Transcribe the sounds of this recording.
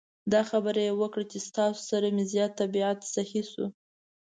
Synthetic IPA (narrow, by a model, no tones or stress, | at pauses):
d̪ɑxabəɾajewəkɽat͡ʃest̪ɑso̥saɾamezjɑt̪ːabiat̪sahisṵ